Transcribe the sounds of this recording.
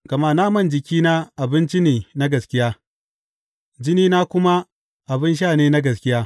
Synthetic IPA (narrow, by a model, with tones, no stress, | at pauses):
ɡ̥ɐ˨ma˦na˦mɐ˦nd͡ʒɪ˨kʲiː˦naː˦ʔa˨bɪ˦nt͡ʃɪ˦neː˨na˦ɡɐ˨skʲɪ˦jaː˦ | d͡ʒɪ˦niː˦naː˦kʷʊ˦ma˦ | ʔa˨bɪ˦nʃ̬aː˦˨neː˦na˦ɡɐ˨skʲɪ˦jaː˦